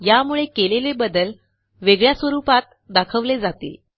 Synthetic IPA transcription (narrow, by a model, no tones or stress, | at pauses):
jamuɭekelelebəd̪əl | ʋeɡɭjasʋəɾupat̪̚ | d̪akʰəʋled͡zat̪ḛ